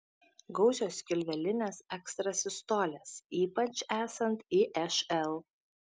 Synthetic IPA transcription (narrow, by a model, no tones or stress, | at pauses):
ɡɒʊzʲoːskʲɪlʲʋʲɛlʲɪnʲeːsɛkst̪ɾɐsʲɪst̪oːlʲɛsiːpɐt͡ʃæːsɐnt̪iːʔɛʃɛlˠ